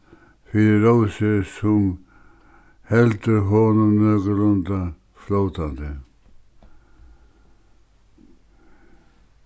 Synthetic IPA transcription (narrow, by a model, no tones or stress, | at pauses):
fiɾɪɾowsɪsʊm | hɛlt̪əɦɔnʊmnøːkəɾʊnt̪a | flowt̪ant̪ɪ